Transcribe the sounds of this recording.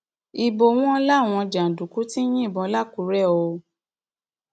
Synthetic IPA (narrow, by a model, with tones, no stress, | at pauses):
i˧bo˧w̃ɔ̃˦˧˦la˦˨w̃ɔ̃˧d͡ʒa˨n̩˨du˨ku˨˦ti˦j̃ĩ˦i˦˨bɔ̃˧˦la˦˨ku˨˦ɾɛ˦˨o˧